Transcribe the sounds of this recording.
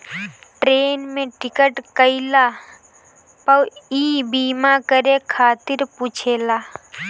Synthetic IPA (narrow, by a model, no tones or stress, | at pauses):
ʈɾeːnmẽʈɪkəʈkəilaː | pəwiːbiːmakəɾekʰaːt̪ɪɾpuːt͡ʃʰeːlaː